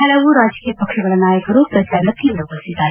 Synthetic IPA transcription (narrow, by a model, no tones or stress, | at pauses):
hɐlɐʋuɾaːd͡ʒɐkijɐpɐkʂɐɡɐɭɐnaːjɐkɐɾupɐsɐɾlɐk̪ind̪ɾɐɡɐlsid̪aː